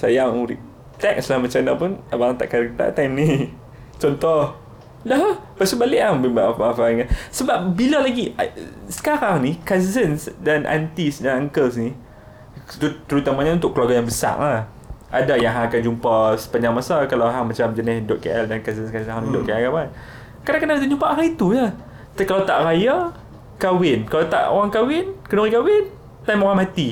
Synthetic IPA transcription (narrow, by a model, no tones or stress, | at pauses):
sajaŋɾi | t̪ɛk̚slahmat͡ʃanapunabaaŋt̪a̰ʔkaɾək̚t̪a̰ʔt̪ɛmni | t͡ʃɔnt̪ɔh | daɦpasubalɪʔahmbibaʔfaafaŋasəbap̚bilalaɡiasə̥kaɾaŋnikazənsdanʔa̰nt̪isdanaŋkəlsni | t̪ut̪əɾut̪amaɲaunt̪ʊkːəluaɡajaŋbəsa̰ʔah | ʔadajaŋɦaakand͡ʒumpasə̥paɲãŋmasakalawɦaŋmat͡ʃamd͡ʒənɪsdʊʔ̚keʔɛldankazənskanɦadʊʔkaɛjaan | kadãŋkadãut̪ud͡ʒumpaʔɦait̪ula | t̪akalawt̪aʔraja | kawɪnkalawt̪a̰ʔo̰ɾaŋkawɪnkənoɾikawɪn | t̪ajmoɾamat̪i